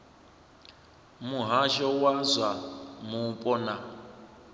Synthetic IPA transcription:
muɦaʃɔwazʷamupʼɔna

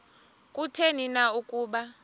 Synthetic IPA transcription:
kʼutʰeninaukʼuːɓa

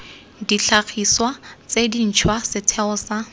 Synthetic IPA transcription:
diɬak͡xʰiswat͡sedin̩t͡ʃʰwasɪtʰɛʊsa

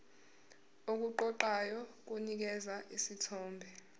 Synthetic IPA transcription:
ok̬uǃɔǃajɔk̬unik̬ɛzaʔisitʰɔːmbʱɛ

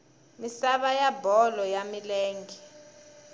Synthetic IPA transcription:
misaɓajabʱɔlɔjamileːŋɡʱi

